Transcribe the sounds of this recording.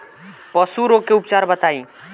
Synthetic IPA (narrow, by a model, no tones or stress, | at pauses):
pəsuɾoɡkeupt͡ʃaɾbət̪aĩ